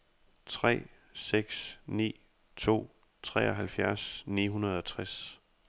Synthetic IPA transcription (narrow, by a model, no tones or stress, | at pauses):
t͡sʰʁɛ̰ː | seɡ̥snḭː | t͡sʰo̝̰ː | t͡sʰʁɛ̰ːɒɦælfjæɐsnḭːɦunɐð̞̩ˠɒ̽t͡sʰʁas